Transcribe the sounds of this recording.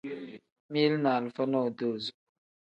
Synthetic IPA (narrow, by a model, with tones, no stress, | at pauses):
mi˦lna˨lfə˦nɔ˦˨do˦˨z